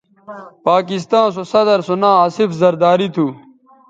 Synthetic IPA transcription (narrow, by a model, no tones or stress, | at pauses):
paːkist̪ãːns̬osɐd̪ɐɾsonaːaːsifzɐɾd̪aːɾit̪ʰuː